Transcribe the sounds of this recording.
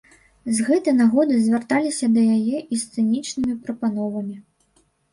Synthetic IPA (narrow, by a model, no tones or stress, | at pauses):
zɣɛt̪ɨjnaɣɔd̪ɨzʲvʲart̪alʲisʲɐd̪ɐjajɛʔist̪sɨnʲit͡ʂnɨmʲipɾɐpanɔvɐmʲi